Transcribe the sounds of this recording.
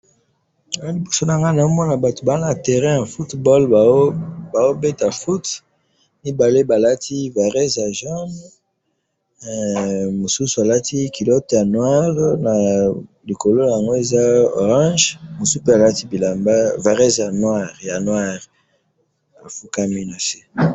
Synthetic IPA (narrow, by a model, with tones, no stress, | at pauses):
a˨o˦li˨bo˨so˦nã˨ŋɡa˦na˨o˦mɔ˦na˨ba˨to˨ba˨˦na˨tɛ˨ʁɛ̃˦ja˨fu˦tbɔ˦l | ba˨o˦be˦ta˨fu˦t | ni˦ba˨le˦ba˨la˦tʰi˦va˨ʁɛ˦zja˨ʒa˦m | mo˨su˦su˨a˨la˦ti˦ki˨lɔ˦tja˨nwa˦ʁna˨ | li˨ko˨lo˦˨ja˨ŋɡo˦e˨za˦o̰˨ʁɑ̃˦ʒmo˨su˦pe˦a˨la˦ti˦bi˨la˨mba˦va˨ʁɛ˦zja˨nwa˦˨ʁja˨nwa˦ʁ | a˨fu˦ka˦mi˦na˨se˦